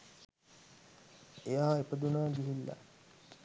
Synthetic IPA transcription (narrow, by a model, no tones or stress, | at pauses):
ejaːepəd̪unaːɡiɦilːa̰